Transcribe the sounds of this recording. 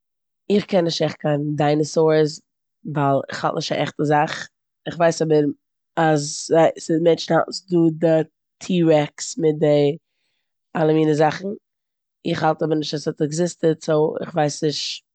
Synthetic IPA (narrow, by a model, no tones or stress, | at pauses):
ɪχkʰɛnːɪʃtɛχ̚kʰaɪndaɪnəsoɾs | valˠɪ̰χha̰lˠtnɪʃta̰ʔɛχtəzaχ | ɪχvaɪsɔbəɾ | azzaɪsɪmɛnt͡ʃn̩ha̰ltsduːdɪ | tʰiːɾɛksmɪt̚dɪ | alˠəmiːnəzaχn̩ | ɪχhalˠtɔbəɾnɪʃtasɔtɛɡzɪstətsoɪ̰χvaɪsnɪʃ